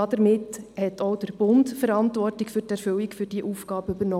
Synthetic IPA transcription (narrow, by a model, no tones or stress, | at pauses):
ɑd̪əɾmɪthɛtʰoʊd̥əɾb̥ʊntfəɾɑntʋɔrtikfyːrtæɾføwikfyrd̥iʔuːfɡ̥ɑːbəybəɾnɔ